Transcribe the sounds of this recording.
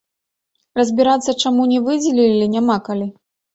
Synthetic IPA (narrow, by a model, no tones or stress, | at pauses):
rɐzʲbʲiɾat̪sːɐt͡ʂamunʲɛvɨd͡zʲɛlʲilʲilʲinʲamakalʲi